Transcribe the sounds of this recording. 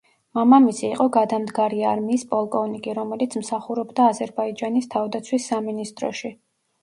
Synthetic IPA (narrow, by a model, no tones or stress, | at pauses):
mamamisʰiːqʼɔɡad̪amd̪ɡaɾiaɾmiːspʼɔlˠkʼɔvnikʼiɾɔmɛlit̪sʰmsaχuɾɔbd̪aːzɛɾbaid͡ʒanist̪ʰavd̪at̪sʰwisːaminist̪ʼɾɔ̰ʃi